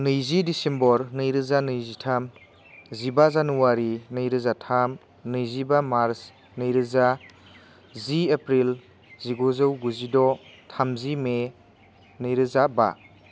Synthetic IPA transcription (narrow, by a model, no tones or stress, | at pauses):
nɯjzidisembɔɾnɯjɾɯzanɯjzitʰam | zibazanuwaɾinɯjɾɯzatʰam | nɯjzibamaɾs | nɯjɾɯza | ziepɾil | ziɡozɯwɡuzidɔtʰamzime | nɯjɾɯzaba̰